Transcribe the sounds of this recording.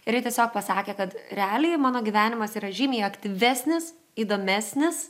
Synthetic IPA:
ɪɾjɪt̪ʲiɛsʲoːk̚pɐsɑːkʲeːkɐt̪ɾʲɛɑːlʲɪjmɑːnoːɡʲiʋʲæːnʲɪmɐsiːɾɐʒʲiːmʲiːjɐkt̪ʲiʋʲɛsʲnʲɪs | iːd̪oːmʲæsʲnʲɪs

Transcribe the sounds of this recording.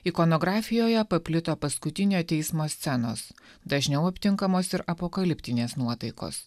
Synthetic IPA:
ikoːnoːɡɾɑːfʲɪjoːjɛpɐpʲlʲɪt̪oːpɐskʊt̪ʲɪnʲoːt̪ʲɛɪsmoːsʲt̪sʲɛno̰ːsd̪ɐʒʲnʲɛʊɐpʲt̪ʲɪŋkɐmoːsɪɾɐpokɐlʲɪpʲt̪ʲɪnʲeːsnuɔt̪ɐɪko̰ːs

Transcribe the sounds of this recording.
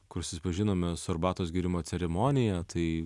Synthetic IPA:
kʊɾsʊsʲɪpɐʒʲɪnoːmʲɛsɐɾbɑːt̪oːs̬ɡʲiːɾʲɪmoːt̪sʲɛɾʲɛmoːnʲɪjɛːt̪ʰɐɪ

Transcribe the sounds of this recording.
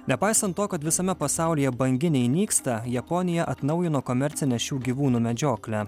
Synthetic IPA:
nʲɛpɑˑɪsɐnt̪ːoːkɐt̪ʋʲɪsɐmʲɛpɐsɑˑʊlʲijɛbɐŋʲɡʲɪnʲɛɪnʲiːkst̪ɐjɛpɔnʲɪjɛʔɐt̪nɒʊjɪnoːkomʲɛɾʲt̪sʲɪnʲɛʃʲuːɡʲiʋuːnuːmʲɛd͡ʒʲoːklʲæ

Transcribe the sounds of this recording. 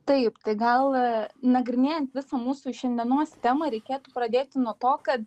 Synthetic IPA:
t̪ɐɪpt̪ɐɪɡɐlˠnɐɡɾʲɪnʲeːjɛnt̪ʋʲɪsɐmuːsuːʃʲɛnʲd̪ʲiɛnoːsʲt̪ʲæːmɐɾʲɛɪkʲeːt̪uːpɾɐd̪ʲeːt̪ʲɪnuɔt̪oːkɐt̪

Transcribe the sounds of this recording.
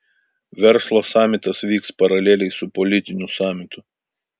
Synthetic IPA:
ʋʲɛɾˑslˠoːsɑːmʲɪt̪ɐsʋʲiːkspɐɾɐlʲeːlʲɛɪsʊpɔlʲɪt̪ʲɪnʲʊsɑːmʲɪt̪ʊ

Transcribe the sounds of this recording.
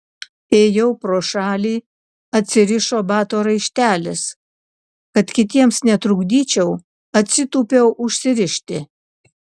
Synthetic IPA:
eːjɛʊpɾoːʃɑːlʲiː | ɐt̪ʲsʲɪɾʲɪʃoːbɑːt̪oːɾɐɪʃʲt̪ʲæːlʲɪs | kɐt̪kʲɪt̪ʲiɛmsnʲɛt̪ɾʊɡd̪ʲiːt͡ʃʲɛʊ | ɐt̪ʲsʲɪt̪uːpʲɛʊʔʊʃʲsʲɪɾʲɪʃʲt̪ʲɪ

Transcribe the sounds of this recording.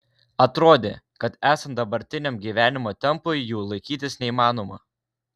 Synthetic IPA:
ɐt̪ɾoːd̪ʲḛ | kɐt̪æːsɐnt̪d̪ɐbɐɾʲt̪ʲɪnʲɛmɡʲiːʋʲæːnʲɪmoːt̪ʲɛmpʊɪjuːlˠɐɪkʲiːt̪ʲɪsnʲɛiːmɑːnoːmɐ

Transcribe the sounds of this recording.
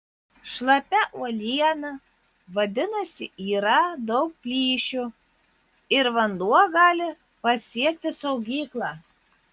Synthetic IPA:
ʃlˠɐpʲɛʔuɔlʲiɛnɐ | ʋɐd̪ʲɪnɐsʲɪiːɾɐd̪ɒʊk̚pʲlʲiːʃʲu | ɪɾʋɐnd̪uɔɡɑːlʲɪ | pɐsʲiɛk̚t̪ʲɪsɐʊɡʲiːklˠɑː

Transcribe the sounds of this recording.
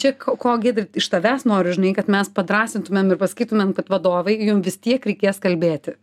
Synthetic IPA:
t͡ʃʲɛkokoːɡʲed̪ʲɾɪɪʃt̪ɐʋʲæːsnoːɾʲʊʒʲɪnɐɪkɐt̪mʲɛspɐd̪ɾɑːsʲɪnt̪ʊmʲeːmɪrpɐsɐ̥kʲiːt̪ʊmʲeːmkɐt̪ʋɐd̪oːʋɐɪjʊmʋʲɪst̪ʲiɛkɾʲɛɪkʲeːskɐlʲbʲeːt̪ʲɪ

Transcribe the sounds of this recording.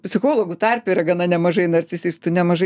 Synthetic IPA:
pʲsʲɪxoːlˠoːɡʊt̪ɐrʲpʲʊiːɾɐɡɐnɐnʲɛmɐʒɐɪnɐrʲt͡s̪ʲɪsʲiːst̪ʊnʲɛmɐʒɐɪ

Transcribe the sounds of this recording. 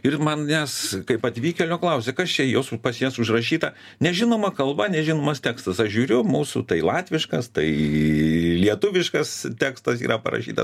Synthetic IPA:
ɪrmɐnjʲæskɐɪpɐt̪ʲʋʲiːkʲɛlʲoːklˠɐʊsʲɛkɐst͡ʃʲɛjoːsʊpɐsjɛsʊʃrɐʃʲiːt̪ɐ | nʲɛʒʲɪnoːmɐkɐlˠbɐnʲɛʒʲɪnoːmɐst̪ʲæːkst̪ɐsɐʃʒʲuːɾʲʊmuːsṵt̪ɐɪlˠɑːt̪ʲʋʲɪʃkɐst̪ɐɪ | lʲiɛt̪ʊʋʲɪʃkɐst̪ʲæːkst̪ɐsḭːɾɐpɐ̰ɾɐ̰ʃʲḭːt̪ɐ̰

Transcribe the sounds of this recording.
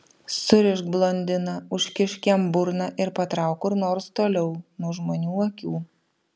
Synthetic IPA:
sʊɾʲɪʃkblˠonʲd̪ʲɪnɐʊʃʲkʲɪʃʲkʲɛmbʊɾnɐʔɪɾpɐt̪ɾɑˑʊkʊɾnoːɾst̪oːlʲɛʊnuɔʒmoːnʲuːɐkʲuː

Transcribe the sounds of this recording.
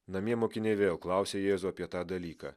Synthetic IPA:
nɐmʲiɛmoːkʲɪnʲɛɪʋʲeːlˠklˠɑʊsʲeːjeːzʊɐpʲiɛt̪ɑːd̪ɐlʲiːkɑ̰ː

